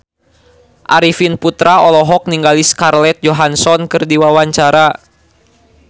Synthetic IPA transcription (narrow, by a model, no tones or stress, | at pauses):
ʔaɾifinput̪ɾaɔlɔɦɔk̚niŋɡaliskarlɛt̪̚d͡ʒɔɦansɔnkɨrdiwawaɲt͡ʃaɾa